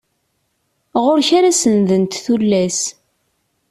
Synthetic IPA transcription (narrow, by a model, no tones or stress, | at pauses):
ʁʊɾçaɾasənðənt̪θulːæs